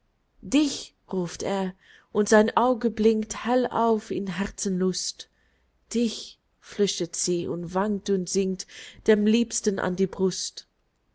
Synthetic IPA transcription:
d̥ɪç | ʁuːfteːɐ | ʔʊntz̥aɪnʔaʊɡəblɪŋkthɛla̰ʊfɪnɦɛʁt͡sənlʊst | d̥ɪç | flʏçtətz̥iːʔʊ̰ntv̥aŋk̚tʊntz̥ɪŋtd̥eːmliːpstənʔa̰ndiːbʁʊst

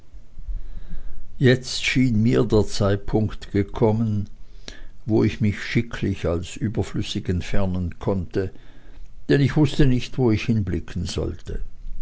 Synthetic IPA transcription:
jɛt͡stʃiːnmiːɐdeːɐt͡saɪt̚pʰʊŋktɡ̥əkʰɔmən | voːɪçmɪçʃɪkʰlɪçalsʔyːbɐflʏsɪkɛntfɛɐnənkʰɔntə | d̥ɛnɪçv̥ʊstənɪçtv̥oːɪçhɪnblɪkʰn̩zɔ̰ltə

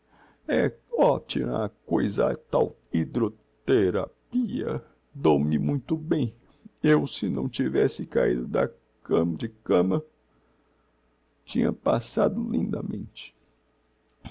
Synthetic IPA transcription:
ɛɔt͡ʃimɐkojzɐt̪aw | id̪ɾo | t̪eɾapiɐ̰ | d̪owmɪmũj̃t̪ʊbẽj̃ | ewsɪnɐ̃w̃t͡ʃivɛsɪkaid̪ʊd̪ɐ | kɐ̃md͡ʒɪkɐ̃mɐ | t͡ʃĩɲɐ̰pasad̪ʊlĩnd̪ɐmẽnt͡ʃɪ̥

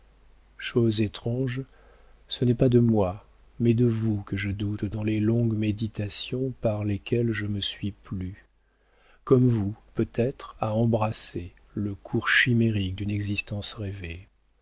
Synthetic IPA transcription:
ʃozet̪χɑ̃ʒ | sənɛpad̪əmwa | mɛd̪əvukəʒəd̪ut̪d̪ɑ̃lelɔ̃ɡmed̪it̪asjɔ̃paʁlekʲɛlʒəməsɥiply | kɔmvupøt̪ɛt̪χaɑ̃bʁase | ləkʰuʁʃimeʁik̚d̪ynɛɡzist̪ɑ̃sʁeve

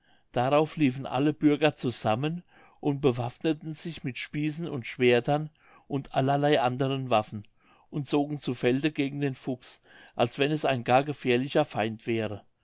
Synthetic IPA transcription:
d̥aʁaʊfliːfn̩ʔa̰ləbʏɐɡɐt͡suzamən | ʔʊnt̚b̥əvafnətn̩z̥ɪçmɪtʃpiːsn̩ʊntʃv̥eːɐtʰɐn | ʔʊntʰʔalɐlaɪʔandəʁənvafn̩ | ʔʊntt͡soːɡŋ̩t͡sufɛldəɡeːɡŋ̩deːnfʊks | ʔalsv̥ɛnɛsaɪnɡaːɐɡəfɛːɐlɪçɐfaɪntv̥ɛːʁə

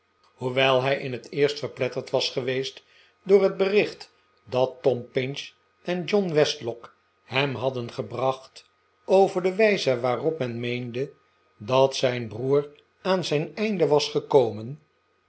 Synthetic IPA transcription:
huʋɛlˠɦɛjʔɪnətʰɪːɹstfəɹplɛtəɹtʋɑsχəʋejst | dʊːɹɦəd̚bərɪχt | dɑtːɔmpɪnʃ | ʔɛnd͡ʒɔnʋɛstlɔk | hɛmɦɑdənχəbrɑχt | owvəɹdəʋɛjzəʋaːrɔpmɛnmejndə | dɑtsɛjnbruːr | aːnzɛjnɛjndəʋɑsχəkowmən

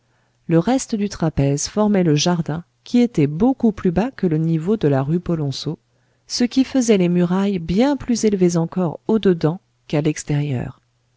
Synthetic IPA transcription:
ləʁɛst̪əd̪yt̪χapɛzfɔʁmɛləʒaʁd̪ɛ̃ | kʲiet̪ɛbokuplybakələnivod̪əlaʁypɔlɔ̃so | səkʲifəzɛlemyʁajbjɛ̃plyzelvezɑ̃kɔʁod̪əd̪ɑ̃ | kalɛkst̪ɛʁjœ̰ːʁ

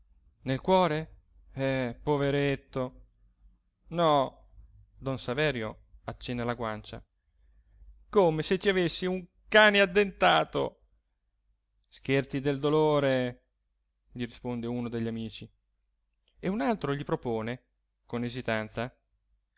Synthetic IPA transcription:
nelkwɔːɾe | ɛpoveɾet̪ːo | nɔ | d̪ɔnsavɛːɾjo | at͡ʃːɛnːalaɡwant͡ʃa̰ | komeset͡ʃːiavesːiuŋ | kaːnead̪ːent̪aːt̪o̰ | sk̟ert̪sid̪eld̪oloːɾe | ʎiɾispond̪euːnod̪eʎːamiːt͡ʃi | eunalt̪ɾoʎipɾopoːne | konezit̪ant̪sa

